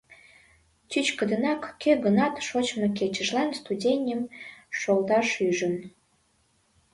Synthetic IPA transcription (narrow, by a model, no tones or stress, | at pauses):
t͡ɕyt͡ɕkə̆d̪ə̆nɑkːøɡənɑt̪ʃot͡ɕmok̬et͡ɕə̆ʃlɑnst̪udʲenʲəmʃolt̪ɑʃyʒən